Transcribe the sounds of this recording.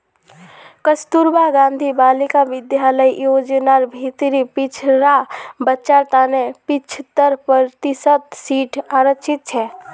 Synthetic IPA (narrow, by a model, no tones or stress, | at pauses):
kəst̪uɾbaɡãːnd̪ʱibaːlikaʋɪd̪jaləijoːd͡ʒnaɾbʱit̪ɾipɪt͡ʃʰɾabət͡ʃaɾt̪aːnepɪt͡ʃʰt̪əɾpəɾt̪ɪsət̪siːʈʰaːɾət͡ʃʰɪt̪̚t͡ʃʰɛː